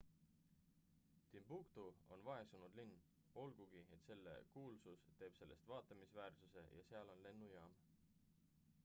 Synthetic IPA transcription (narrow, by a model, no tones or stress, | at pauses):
t̪imb̥ukt̪uo̞̰nvɑe̞sunud̪̥linː | o̞lɡ̥uɡ̥iet̪se̞lːe̞̰kuːlsust̪e̞ːb̥se̞lːe̞st̪vɑːt̪ˑɑmisvæːrsuse̞̰jɑ̰se̞ɑlo̞nle̞nːujɑːm